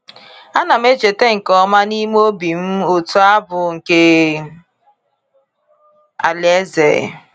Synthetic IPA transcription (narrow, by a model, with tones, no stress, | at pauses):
a˦na˨m˦e˦d͡ʒe˨te˦ŋ̩˨kɔ˨˦ma˦ni˦m˦o˦bi˨m̩˦o˨tu˦a˦bʊ˨ŋ̩˨ke˦ | a̰˨le˦zḛ˨